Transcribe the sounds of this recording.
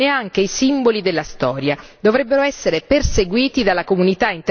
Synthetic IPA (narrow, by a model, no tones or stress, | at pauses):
eaŋk̟eisimbolid̪elːast̪ɔːɾjad̪ovɾɛbːeɾoɛsːeɾeperseɡwiːt̪id̪alːakomunit̪aint̪